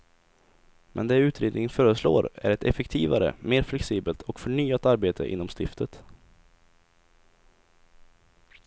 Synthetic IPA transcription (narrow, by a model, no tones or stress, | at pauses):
mʔɛnd̪ɛʉ̟ːt̪ɾeːd̪nɪŋənfœːɾəslo̰ːɾæ̰ɾɛt̪ʰɛfɛkt̪ʰiːvaɾə̰meːɾflɛksiːbəlt̪ʰɔkfœɳyːat̪aɾbeːt̪ʰə̰ʔɪ̰nːɔmst̪ɪft̪ʰət̪